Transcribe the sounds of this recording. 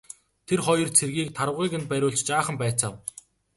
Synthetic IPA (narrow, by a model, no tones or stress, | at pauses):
t̪ʰerχɔjɞ̆rt͡sʰerɣiːk̚t̪ʰaɾə̆wʁiːkɘ̆nt̪̚pæɾʲʊːɮt͡ɕt͡ɕaːχə̆mpæːt͡saːw